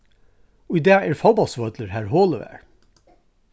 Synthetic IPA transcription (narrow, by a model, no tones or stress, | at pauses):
ɔɪd̪æːæːɾfɑbɑsʋœd̪ləɾhæːɹhoːləʋæ̰ːɹ